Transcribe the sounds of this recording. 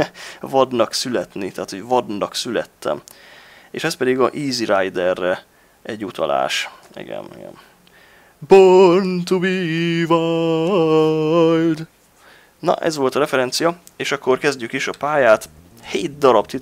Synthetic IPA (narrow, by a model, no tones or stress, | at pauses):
vɒd̪nɒksylɛt̪nit̪aːt̪ho̞ɟvɒd̪nɒksylɛ̰t̪ːɛ̰m | ḛːʃɛspɛd̪iɡɒʔiːziɾajd̪ɛrːɛ | ɛɟːut̪ʰɒ̰la̰ːʃ | ḭɡɛ̰mḭɡɛ̰m | bont̪ubiva | jd̪ | nɒ̰ʔɛ̰zʋo̞lt̪ɒɾɛfɛɾɛnt̪sijɒ | eːʃɒkːo̞rkɛzɟykiʃɒpaːjaːt̪ | heːt̪̚d̪ɒɾɒbt̪it̪